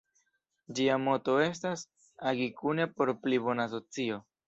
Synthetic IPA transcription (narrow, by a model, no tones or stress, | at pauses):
d͡ʒiamo̞to̞e̞s̬tas | aɡikunepo̞ɾplibo̞naːs̬o̞t͡sio̞